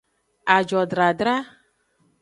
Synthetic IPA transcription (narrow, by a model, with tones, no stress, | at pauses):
a˨d͡ʒɔ˨dɾa˨dɾa˦